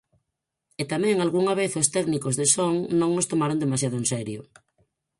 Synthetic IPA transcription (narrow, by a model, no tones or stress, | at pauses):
et̪amɛ̃ŋalɣuŋaβ̞eθost̪ɛknikozðesoŋnõŋost̪omaɾond̪emasjað̞oensɛɾjo̰